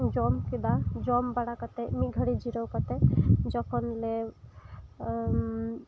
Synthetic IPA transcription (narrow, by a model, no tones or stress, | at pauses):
d͡ʒɔmkib̪ad͡ʒɔmbaɽakɔt̪emiɡʱəɽid͡ʒiɾɔwkɔt̪ed͡ʒɔkʰɔnle